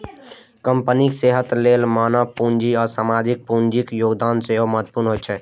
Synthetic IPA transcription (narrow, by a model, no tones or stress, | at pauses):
kəmpənikseɦət̪lelmanapund͡ʒiɔːɾsamad͡ʒik̚pund͡ʒikjoɡd̪anseɦoməɦət̪̚ːpuɾnɦot͡ʃʰɛ